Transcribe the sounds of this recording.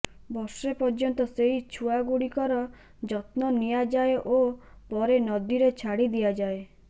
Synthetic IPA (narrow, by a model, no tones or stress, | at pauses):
bɔɾsepɔɾd͡ʒɔnt̪ɔseɦit͡ʃʰuaɡuɽikɔɾɔ | d͡ʒɔt̪nɔnijad͡ʒaeʔopɔɾenɔd̪iɾet͡ʃʰaɽid̪ijad͡ʒae